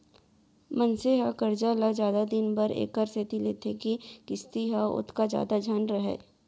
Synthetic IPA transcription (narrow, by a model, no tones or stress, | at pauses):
mɐnseɦakɐɾd͡ʒalazjaːd̪ad̪ɪnbɐɾḛːkəɾset̪ilḛːt̪ʰekikɪst̪iɦaʊ̰t̪ʰkazja̰ːd̪ad͡ʒʱaːnɾɐɦḛː